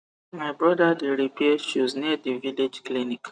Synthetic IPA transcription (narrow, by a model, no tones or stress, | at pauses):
majbɾɔdadiɾipieʃuznediviled͡ʒklinik